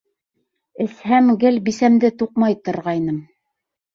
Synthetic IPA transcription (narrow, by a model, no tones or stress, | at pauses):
ɘ̆shæmɡɘlbisæmd̪ɘt̪uqmɑjt̪ŏɾʁɑjnɤm